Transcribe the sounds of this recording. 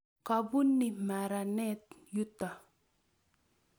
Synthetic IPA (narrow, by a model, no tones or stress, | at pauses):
kabunːimaɾanet̪̚jut̪a